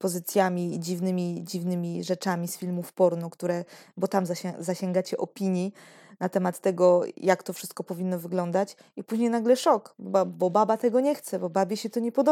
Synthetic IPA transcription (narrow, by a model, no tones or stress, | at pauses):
pɔzɘt̪sʲjamʲid͡ʑivnɘmʲid͡ʑivnɘmʲiʐɛt͡ʂamʲisfʲilmufpɔɾnɔkt̪uɾɛbɔt̪amzaɛzaɕɛŋɡat͡ɕɛʔɔpʲiɲji | nat̪ɛmat̪ːɛɡɔjakt̪ɔfʂɘst̪̚kɔpɔvʲinːɔvɘɡlɔn̪d̪at͡ɕ | ipuʑɲejnaɡlɛʂɔkbbabɔbabat̪ɛɡɔɲɛxt̪sɛbɔbabʲjɛɕɛt̪ɔɲɛpɔd̪ɔ